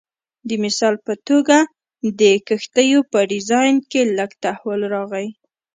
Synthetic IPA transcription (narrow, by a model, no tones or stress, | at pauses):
d̪əmɪsɑlpət̪oɡa | d̪əkəxt̪əjopəɖɪzɑjnkeləɡt̪ahwəlɾɑɣəj